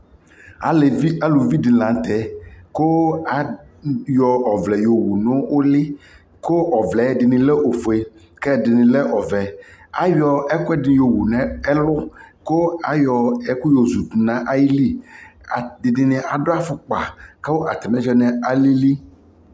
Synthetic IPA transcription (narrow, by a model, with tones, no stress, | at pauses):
a˨le˨vi˦a˦lu˨vi˦di˨lã˨˦t̪ɛ˦ko˦a˨jɔ˨ɔ˨vlɛ˨jo˨wu˨nʊ̃˦wʔo˦lɪ˦ | ko˦ɔ˨vlɛ˨˦ɖɪ˨nɪ̃˨lɛ˦ʔo˨fo˨e˨ | kɛ˦˨dɪ˨nɪ̃˨lɛ˦ʔɔ˨vɛ˨a̰˦jɔ˨ɛ˦kʊ˦ɛ˦dɪ̃˨˦jo˨wu˨nɛ̃˨˦ɛ˦lʊ˦ko˦a˨jɔ˨ɛ˦ku˦jo˨zu˨t̪u˨nã˦ʔa˦ji˦li˦a˨dɪ˨nɪ˨nɪ̃˨a˨ɖo˦a˦fʊ˨k͡pa̰˨ke˦wo˦ʔa˨t̪ɛ˨mɛ̃˦d͡ʒɔ˦nɛ̃˨a˨li˦li˦